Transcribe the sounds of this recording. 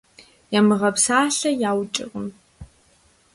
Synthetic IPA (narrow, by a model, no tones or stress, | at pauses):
jamɨʁɐpʰsaːɬɐjaːwt͡ʃʼɪ̰qʼəm